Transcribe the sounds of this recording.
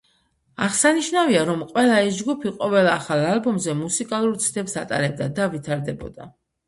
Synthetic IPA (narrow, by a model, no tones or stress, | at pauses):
aʁsaniʃnaviaɾɔmqʼwɛlˠais̬d͡ʒɡupʰiqʼɔvɛlˠaχalˠalˠbɔmzɛmusikʼalˠuɾt̪sʰd̪ʰɛpsat̪ʼa̰ɾɛb̚d̪ad̪avit̪ʰaɾd̪ɛbɔ̰d̪̥a̰